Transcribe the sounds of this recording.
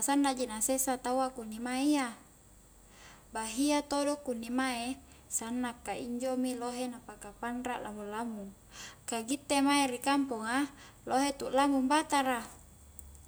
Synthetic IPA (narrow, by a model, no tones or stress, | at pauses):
asandad͡ʒinasesat̪awakunːimaia | baɦiat̪odokunːimae | sanːakːaḭɲd͡ʒomiloɦenapakapanɾa̰ʔlʔa̰mulamuŋ | kaɡit̪ːemaeɾikampuŋa | loɦet̪uʔlamuŋbat̪aɾa